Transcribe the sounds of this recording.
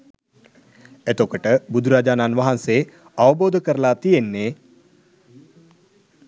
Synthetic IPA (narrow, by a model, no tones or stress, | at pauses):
et̪okəʈəbud̪ʱuɾaːd͡ʒaːnaːnʋaɦanseː | aʋəboːd̪ʱəkəɾəlaːt̪ijenːeː